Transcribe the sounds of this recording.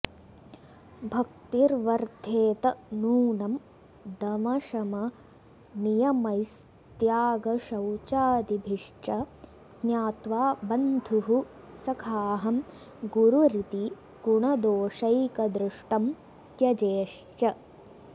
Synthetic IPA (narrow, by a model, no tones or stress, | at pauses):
bʱɐk̚t̪iɾʋɐɾd̪ʱeːt̪ɐnuːnɐm | d̪ɐmɐʃɐmɐ | nijɐmɐjs | t̪jaːɡɐʃɐwt͡ʃaːd̪ibʱiʂt͡ʃɐ | ɡnjaːt̪ʋaːbɐnd̪ʱuɦu | sɐkʰaːɦɐm | ɡuɾuɾit̪i | ɡ̥uɳɐd̪oːʂɐjkɐd̪ɾuʂʈɐm | t̪jɐd͡ʒeːʂt͡ʃɐ